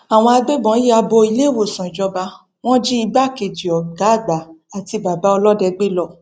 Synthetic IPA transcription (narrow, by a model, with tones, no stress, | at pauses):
a˨w̃ɔ̃˧a˧ɡ͡be˦bɔ̃˨˦i˦a˧bo˧i˧le˦˨wo˦˨sã˨i˨d͡ʒɔ˧ba˧˦ | w̃ɔ̃˦d͡ʒi˦i˧ba˦˨ke˧˨d͡ʒi˨ɔ˨ɡa˨˦˨ɡ͡ba˨a˨ti˧ba˨ba˨˦ɔ˧lɔ˦dɛ˧ɡ͡be˦lɔ˦˨